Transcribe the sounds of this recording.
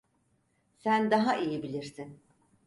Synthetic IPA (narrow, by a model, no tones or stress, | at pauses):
sænd̪aɦaʔijibilʲiɾsin